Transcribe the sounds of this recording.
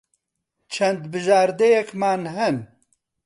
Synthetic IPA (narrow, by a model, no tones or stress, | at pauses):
t͡ʃʰɐnd̪bɨʒaːɾd̪ejɛkmaːnɦɛn